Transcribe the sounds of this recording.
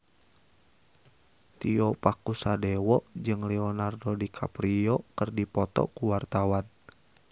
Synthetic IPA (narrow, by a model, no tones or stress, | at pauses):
t̪iɔpakusadɛwɔʔd͡ʒɨŋlɛɔnardɔdikʰa̰pɾiɔkɨrdipɔt̪ɔ̰kuwart̪awan